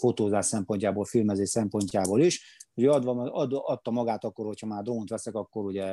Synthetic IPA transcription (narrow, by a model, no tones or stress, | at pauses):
fot̪oːzaːʃsɛmpo̞ɲcaːboːlfilmɛzeːʃsɛmpo̞ɲcaːboːliʃuɟøɒd̪ʋd̪ɒt̪ːɒmɒɡaːt̪ɒkːo̞rho̞chɒmaːrd̪oːnt̪ʋɛsɛkɒkːo̞ɾuɟɛ